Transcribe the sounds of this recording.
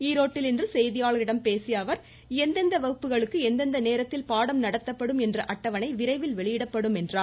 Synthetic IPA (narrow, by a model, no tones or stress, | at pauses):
iːɾoːʈːɪlɪndrɯsɛjðɪjaːɭɐɾɪɽɐmpeːsɪjaːʋɐɾ | ɛnd̪ɐnd̪ɐʋɐɣɯpːɯɣɐɭɯkːɯɛnd̪ɐnd̪ɐneːɾɐt̪ːɪlpaːɽɐmnɐɽɐt̪ːɐpːɐɽɯmɛndrɐʔɐʈːɐʋɐnɐɪʋɪɾɐɪʋɪlʋɛɭɪjɪɽɐpːɐɽɯmɛndraː